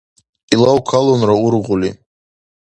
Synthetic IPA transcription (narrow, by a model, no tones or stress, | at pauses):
ilawkʰalonrauɾʁuli